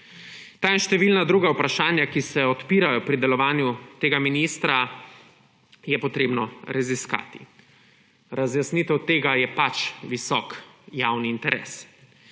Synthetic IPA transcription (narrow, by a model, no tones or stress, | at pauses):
t̪aːinʃt̪ɛʋilnad̪ɾuːɡawpɾaʃaːnjakisɛɔt̪piːɾajɔpɾid̪ɛlɔʋaːnjut̪eːɡaminiːst̪ɾa | jɛpɔt̪ɾeːbnɔɾaziska̰ːt̪i̥ | ɾazjasnit̪ɛwt̪eːɡajɛpat͡ʃʋisɔ̰kjawniːnt̪ɛɾʔḛːs